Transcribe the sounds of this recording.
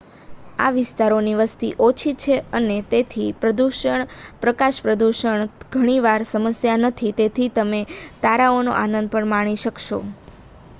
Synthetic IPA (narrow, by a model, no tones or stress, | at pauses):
a̰ʋɪst̪aɾoniʋəst̪ḭʔot͡ʃʰit͡ʃʰeənet̪et̪ʰipɾəd̪uʃəɳpɾəkaʃpɾəd̪uʃəɳɡ̥ʱəɽ̃iʋaɾsəməsjanət̪ʰit̪et̪ʰit̪əmet̪aɾaono̰ʔanənd̪̚pəɳmaɽ̃iʃəkʃo̰